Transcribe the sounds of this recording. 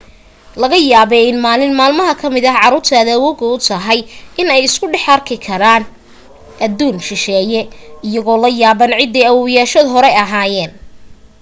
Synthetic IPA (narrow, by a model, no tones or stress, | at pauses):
lɐɣɐjaːβɛɪnmaːlɪnmaːlmɐɦɐkʰɐmɪðɐʕɑɾuːrt̪ʰɐðɐwɔɣɔʊt̪ʰɐɦɐjɪnɛjɪskʰʊɖɛħɐrkʰɪkʰɐɾaːn | ʔɐðuːnʃɪʃɛːjɛɪjɐɣɔːlɐjaːβɐnʕɪd̪ːɛjɐwɔjaːʃɔd̪ɦɔɾɛɐɦaːjɛːn